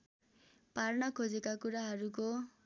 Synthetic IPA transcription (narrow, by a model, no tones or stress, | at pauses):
parnʌkʰod͡zekakuɾaɦʌɾuko